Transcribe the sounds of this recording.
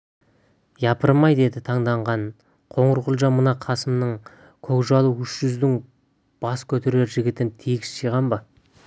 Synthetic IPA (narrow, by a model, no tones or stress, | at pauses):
jɑpəɾmɑjd̪e̞d̪ɪt̪ʰɑɴd̪ɑɴʁɑn | qʰo̞ɴəɾʁʊlˠʒɑnmənɑqʰɑsəmnəɴ | kʲʰɵkʒɑlˠəwʏʃʒ̥ʏzd̪ɪŋ | b̥ɑskʲʰɵt̪e̞ɾe̞ɾʒɪɡʲɪt̪ɪnt̪ʰeɡʲɪsʃijʁɑnbɑ